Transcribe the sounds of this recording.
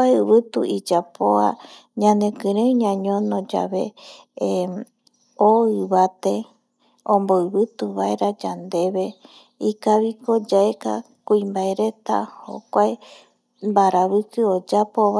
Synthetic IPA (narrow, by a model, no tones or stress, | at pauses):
aeɨβɨt̪uid͡ʒapʰoa̰ | ɲãne̞kɨ̃ɾẽuɲãɲõnõd͡ʒa̰βe̞ | oɨβat̪e̞ | õmboɨβɨt̪uβaeɾad͡ʒand̪e̞βe̞ | ikaβiko̞d͡ʒaeka̰ | kuĩmbaeɾe̞t̪a̰ho̰kʷae | mbaɾaβɨkɨod͡ʒapo̞βa